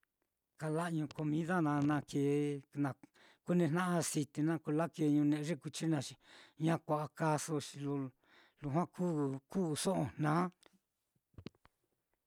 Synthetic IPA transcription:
ka˧la˦ʔɲũ˧ko˧mĩ˧˦ða˦nã˧nã˧keː˨nã˧ | ku˦nẽ˧nã˦ʔa˧si˧t̪i˧nã˦ku˧la˦ke˧ɲũ˧nẽ˧˨˧ʐe˦ku˧t͡ʃi˦nã˧ʃi˧ɲã˦kʷa˧˨ʔa˧ka˦so˧ʃi˧lo˧ | lu˧ɦã˦kʰu˦ku˦˧sõ˦ʔõ˧n̥nãː˦

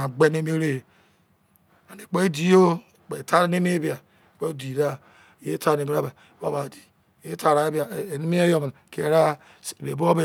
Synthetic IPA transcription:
a˨ɡ͡be˦ne˦me˦ɾe˦˨ | a˨ne˨k͡pe˦di˨jo˦˨ | k͡pe˨ta˦ɾe˦ne˦me˦bi˦a˨ | k͡pe˦di˨ɾa˦˨ | je˦ta˦ɾne˨mi˦ɾa˦ba˨˦a˦ba˨di˨ | e˦ta˨ɾa˨e˦bi˦a˨ne˦mi˦e˦jo˦m˨ke˨˦ɾa˦˨ | be˨bo˦be˦˨

